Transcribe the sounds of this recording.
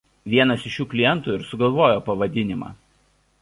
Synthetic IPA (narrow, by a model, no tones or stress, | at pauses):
ʋʲiɛnɐsɪʃjuːklʲɪjɛnˑt̪uːɪɾsʊɡɐlˠʋoːjoːpɐʋɐd̪ʲɪnʲɪmɑ̰ː